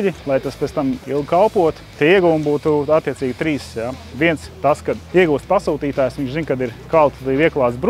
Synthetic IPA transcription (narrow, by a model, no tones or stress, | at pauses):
ʎʲilˠajt̪aspʲɛt̪t̪amḭlˠɡkalˠpuɔt̪t̪iiɛɡuʋumbuːt̪uat̪ːiɛt̪siːɡʲt̪ɾiːsjaʋʲiɛnst̪askad̪iɛɡuːst̪ʲpasuːt̪iːt̪aːjsʋiɲt͡ʃzinkad̪iɾkalˠt̪d̪iːʋiɛklˠaːt̪sbɾ